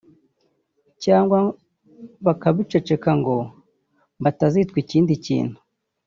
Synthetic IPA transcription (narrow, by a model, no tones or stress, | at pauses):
caːŋɡwa | βakaβit͡ʃot͡ʃe̞kaŋɡo̞ | mbatazitkwiciːndicḭːn̥hu̥